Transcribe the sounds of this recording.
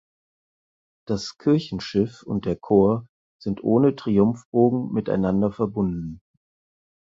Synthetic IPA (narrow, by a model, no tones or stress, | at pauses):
d̥askʰɪɐçn̩ʃɪfʊ̰nt̚d̥eːɐkʰoːɐ | z̥ɪntʔoːnətʁ̥iʊmfb̥oːɡŋ̩mɪta̰ɪnandɐfɛɐbʊndn̩